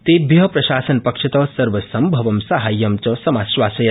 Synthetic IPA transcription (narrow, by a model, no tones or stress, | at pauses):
t̪eːbjɐɦɐpɾɐʃaːsɐnpɐkʂɐt̪ɐsɐɾʋɐsɐmbʱɐʋɐmsɐɦaːjːɐmt͡ʃɐsɐmaːʃʋaːsɐjɐ